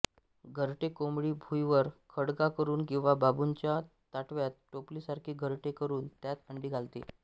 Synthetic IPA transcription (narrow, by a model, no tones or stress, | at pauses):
ɡʱəɾʈekomɭiːbʱujʋəɾkʰəɽkakəɾuːnkĩw̃ʋababuɲt͡ɕja | t̪aʈʰʋjat̪̚ʈoplisaɾkʰiːɡʱəɾʈekəɾuːnt̪jat̪əɳɖiːɡʱalt̪ḭ